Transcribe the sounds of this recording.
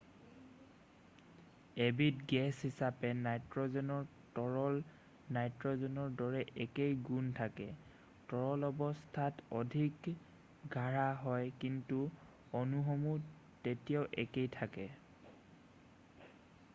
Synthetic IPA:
ebitɡɛshisapɛnajtɹɔzɔnɔɹ | tɔɹɔl | najtɹɔzɔnɔɹdɔɹɛʔɛkejɡuntʰakɛ | tɔɹɔlɔbɔstʰatɔdʱik | ɡʱaɹaɦɔjkintu | ɔnuɦɔmu | tetijaʊʔɛkejtʰakɛ

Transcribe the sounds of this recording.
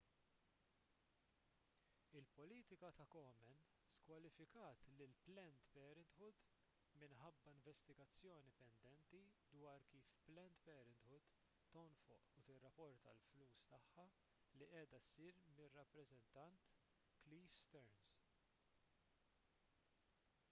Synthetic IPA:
ɪlpɔliːt̪ɪkɐt̪ɐkɔːmɛn | skwɐlɪfɪkɐːt̪lɪlplɛnt̪pɛːɾɛnt̪ħʊt̪ | mɪnħɐbːɐɪɱvɛst̪ɪɡɐt͡sːjɔːnipɛnd̪ɛnt̪id̪wɐːɾkiːfplɛnt̪pɛːɾɛnt̪hʊt̪ː | ɔnfʊ̰ʔʊt̪ɪrːɐpːɔɾt̪ɐ̰lfluːst̪ɐħːɐ | liʔɛːd̪ɐsiːɾmɪrːɐpːɾɛzɛnt̪ɐnt̪ | kliːfst̪ɛɾns

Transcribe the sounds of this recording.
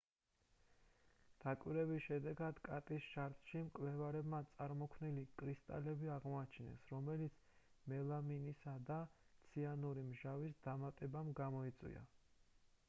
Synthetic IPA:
d̪̥akʼwiɾɛbisʃɛd̪ɛɡad̪̥kʼat̪ʼisʃaɾt̪ʼʃimkʼlɛvaɾɛbmat̪sʼaɾmɔkʰvnilikʼɾist̪ʼa̰lɛbiaʁmɔat͡ʃʰinɛ̰sɾɔmɛlit̪sʰ | mɛlˠaminisad̪at̪sʰianuɾimʒavisd̪̥amat̪ʼɛbamɡamɔit̪sʼwḭa̰

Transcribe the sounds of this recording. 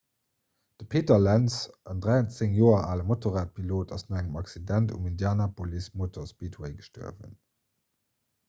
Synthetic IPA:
d̥əpʰeːtɐlænsʔəndʁæɪɐnt͡səŋjoːɐʔaːləmotoʁaːt̚pʰiloːtɑsnoæŋəmɑksidæntṵmindjaːnɐpʰolismotʰospiːtʰweɪɡəʃtṵɐ̰və̰n

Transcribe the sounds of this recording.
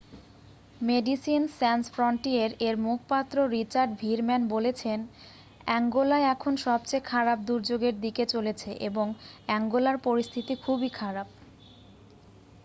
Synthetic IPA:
meɖisinsɛnsfɾɔɳʈieɾeɾmukʰpat̪ːɾoɾit͡ɕaɾɖbʱiɾmɛnbolet͡ɕʰen | ɛŋɡolaeɛkʰonʃɔb̚t͡ɕajkʰaɾap̚d̪uɾd͡ʑoɡeɾd̪iket͡ɕolet͡ɕʰeʔeboŋɛŋɡolaɾpoɾist̪ʰit̪ikʰubikʰaɾab̚

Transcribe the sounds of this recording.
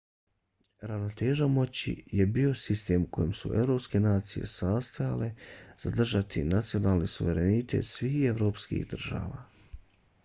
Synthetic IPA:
ɾanot̪eːʒamo̞t͡ɕḭje̞bio̞sist̪e̞ːmukʰo̞jemsṵʔe̞̰ʋɾo̞pske̞naːt̪sijḛsaːst̪aja̰le̞z̥ad̪r̩ʒat̪ʰinat̪sio̞naːlˠnisuʋe̞ɾe̞nit̪e̞̰ːt̪sʋiːxeʋɾo̞ːpskḭɣd̪r̩ʒa̰ːʋa̰ː

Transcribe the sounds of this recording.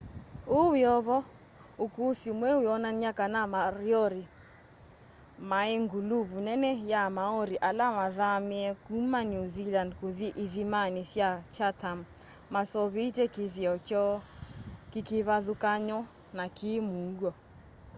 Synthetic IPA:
owɪɔβɔ | okusimwɛweɔnaniakanamaɾjɔɾi | maeŋɡuluβunɛnɛjamaɔɾiʔalamaðamiɛkumanuzilandkoðiʔiðimanisjat͡ʃatam | masɔβitɛkiðiɔkɔ | kikiβaðukaɲɔ | nakimuŋɡwɔ

